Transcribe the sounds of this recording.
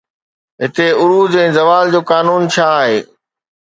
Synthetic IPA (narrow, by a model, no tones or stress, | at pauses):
ɦɪt̪eʊɾuːd͡ʑɛ̃ːzɐʋaːld͡ʑoːkaːnuːnt͡ɕʰaːɦeː